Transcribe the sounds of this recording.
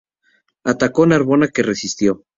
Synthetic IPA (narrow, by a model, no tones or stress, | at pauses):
at̪ako̞naɾβo̞nake̞re̞sist̪jo̞